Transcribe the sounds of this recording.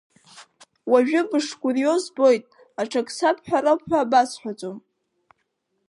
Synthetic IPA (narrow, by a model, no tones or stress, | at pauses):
waʒᶣʊbɨʂkʷʼʊrijo̞zbo̞jtʼ | aʈ͡ʂʰakʼsapʰħʷᶣaɾapħᶣʷaːbasħʷᶣat͡sʷʼom